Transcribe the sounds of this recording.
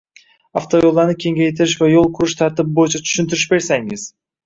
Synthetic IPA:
aft̪ʰo̞jo̞lˠːaɾnɪkʲʰe̞ŋɡʲajet̪ʰɪɾɪʃvajolˠqʰʊɾʊʃt̪ʰaɾt̪ɪbɪbojɪt͡ʃʰat̪ʰy̥ʃɪnt̪ʰɪɾɪʃbe̞ɾsaŋɪz̥

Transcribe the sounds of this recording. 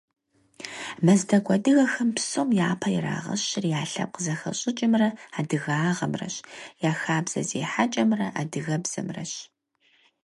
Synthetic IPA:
mɐzdɐɡʷɐdɨɣɐxɐmpsomjaːpʰɐjɪra̰ːʁɐ̰ɕɪrjaːɬɐ̰p̚qəzɐxɐ̰ɕʼɪt͡ʃʼɪmrɐaːdɨɣaːʁɐmrɐ̰ɕjaːxaːbz̥ɐ̰zḛːħat͡ʃʼɐmrɐʔa̰dɨɣɐbz̥ɐ̰mrɐ̰ɕ

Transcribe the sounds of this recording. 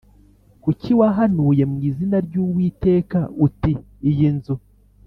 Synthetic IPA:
kuciwaɦanuje̞mŋiːzinaɾɟuːwiːte̞ːkautiː | jinzu

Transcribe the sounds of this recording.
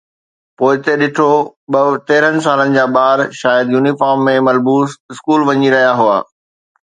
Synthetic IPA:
poːɪt̪eɗɪʈʰoɓɐt̪eːɾənɪ̆s̬aːlənɪ̆d͡ʑaːɓaːɾʃaːjəd̪juːnifaːɾmːẽmɐlbuːsɪskuːlʋɐɲiɾɐɦijaɦua̰ː

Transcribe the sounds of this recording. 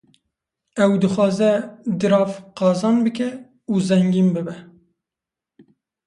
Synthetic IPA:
ɛwd̪ɨxʷɑːzɛd̪ɨɾɑːfqɑːzɑːnbɨkɛ | uzɛŋɡiːnbɨbɛ

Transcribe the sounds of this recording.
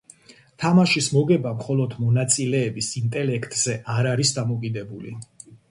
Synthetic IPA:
t̪ʰamaʃismɔɡɛbamχɔlˠɔd̪mɔnat̪sʼilɛːbisint̪ʼɛlɛkʰt̪ʼz̥ɛʔaɾaɾisd̪amɔkʼid̪ɛbulḭ

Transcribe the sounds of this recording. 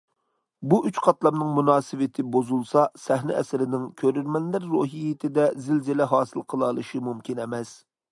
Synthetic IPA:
buʔyt͡ʃqʰɑt̪lˠɑmnɨŋmunɑːsɨwɪt̪ʰɪbozulˠsɑsɛɦnɪ̰ɛ̰sɪɾɪnɪŋkʲʰøɾyɾmɛnlɪɾːoɦijɪt̪ʰɪd̪ɛzɪlzɪlɛɦɑːsɨlˠqʰəlˠɑlˠɨʃimumkʲʰinɛmɛs

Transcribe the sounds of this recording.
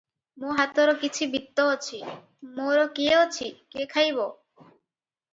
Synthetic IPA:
moɦat̪oɾɔkit͡ɕʰibit̪ːɔot͡ɕʰi | moɾɔkiot͡ɕʰikekʰajbo

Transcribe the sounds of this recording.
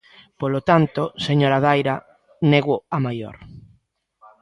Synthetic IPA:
polot̪ant̪oseɲoɾaðajɾa | neɣʊamajo̰ɾ

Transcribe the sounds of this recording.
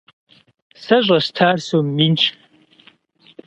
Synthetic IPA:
sɐʑʷʼɐstʰaːrsoːmːint͡ʃʰʼ

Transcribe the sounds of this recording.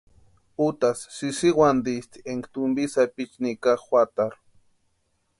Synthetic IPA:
ut̪asːisiwwand̪ist̪i̥eŋɡt̪umbisapit͡ʃnikaχxʷwat̪aɾ

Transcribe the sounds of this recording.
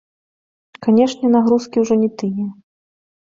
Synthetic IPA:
kanʲɛʂnʲɛnaɣɾuskʲiwʐɔnʲɛt̪ɨjɛ

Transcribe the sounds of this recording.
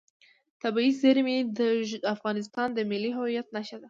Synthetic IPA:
t̪abɑizeɾmed̪əʒafɣɑnɪst̪ɑnd̪əmɪlːiɦʊwijat̪naʃad̪a

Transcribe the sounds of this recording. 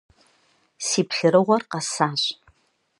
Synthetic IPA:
siːpʰɬɨɾɨʁʷɔrqɑsaːɕʼ

